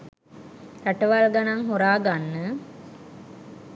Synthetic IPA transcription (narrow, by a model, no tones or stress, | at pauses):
ɾaʈəʋalɡanaŋɦuɾaːɡanːə